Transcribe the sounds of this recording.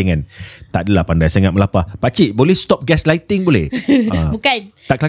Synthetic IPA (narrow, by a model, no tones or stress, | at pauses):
ŋãnt̪aʔdəlahpandajsaŋãt̪̚məlapahpat͡ʃiʔbolɛhst̪ɔp̚ɡɛslajt̪ɪŋbolɛ̰həbukant̪aʔkəla